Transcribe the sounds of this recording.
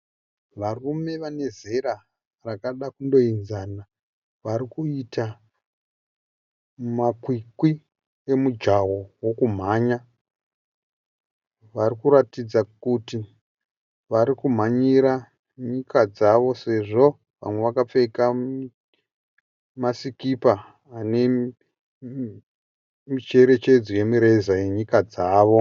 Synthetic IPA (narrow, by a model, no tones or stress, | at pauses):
ʋarume̞ʋane̞ze̞ɾa | rakaɗakundo̞inzana | ʋaɾikuita | makwikwi | e̞mud͡ʒawo̞wokum̤aːɲa | ʋaɾikuɾatid͡zakuti | ʋaɾikum̤aɲiɾa | ɲikad͡zaʋo̞se̞ʐo̞ | ʋa̰mwe̞ʋakap͡fe̞ka | masikipaː | ne̞ | mit͡ʃe̞ɾe̞t͡ʃe̞d͡zoje̞miɾe̞zaje̞ɲikad͡zaːʋo̞